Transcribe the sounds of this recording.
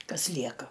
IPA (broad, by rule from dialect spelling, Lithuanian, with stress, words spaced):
ˈkɐs ˈlʲiɛkɐ